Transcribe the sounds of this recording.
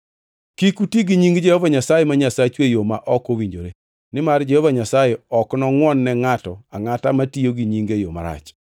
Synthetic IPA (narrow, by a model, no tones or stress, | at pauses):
kikutiɡiɲiŋɡd͡ʒɛhɔvaɲasajemaɲasat͡ʃwejomaʔɔkowiɲd͡ʒoɾe | nɪmard͡ʒɛhɔvaɲasajeɔknɔŋwɔnːɛŋatɔaŋatamatijoɡiɲiŋɡejoma̰ɾa̰t͡ʃ